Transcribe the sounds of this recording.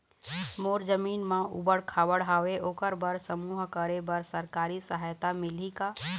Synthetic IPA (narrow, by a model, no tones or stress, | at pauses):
moːɾd͡ʒəmiːnmãʔṵbəɽkʰaːʋəɽɦaːʋeʔoːkəɾbəɾsəmuːɦkəɾebəɾsəɾkaːɾisəɦajt̪amɪlika